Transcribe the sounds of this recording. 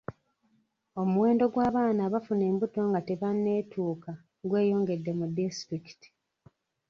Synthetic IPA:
o̞muwe̞ːndo̞ɡwaːβaːnaβafune̞ːmbuto̞ŋɡate̞βanːe̞ːtʰuːka | ɡwe̞ːjo̞ːŋɡe̞dːe̞mudistɾiki̥ti̥

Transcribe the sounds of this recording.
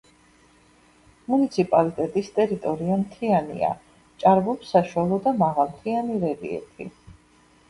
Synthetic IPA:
munit̪sʰipʼalit̪ʼɛt̪ʼist̪ʼɛɾit̪ʼɔɾiamt̪ʰianḭa̰ | t͡ʃʼaɾbɔpsaʃwalˠɔd̪amaʁalˠmt̪ʰianiɾɛvḭɛ̰t̪ʰḭ

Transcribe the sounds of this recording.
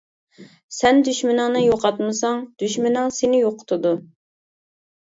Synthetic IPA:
sɛnd̪yʃmɪnɨŋnɨjoqɑt̪mɨsɑŋd̪̥yʃmɪnɨŋsenɪjoqʰʊ̥t̪ʰʊd̪u

